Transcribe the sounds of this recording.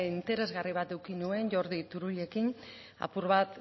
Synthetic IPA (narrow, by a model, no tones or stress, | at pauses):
int̪e̞ɾe̞zɣariβ̞at̪ewkinue̞nʝo̞ɾðit̪uɾuʎe̞kin | a̰puɾβat̪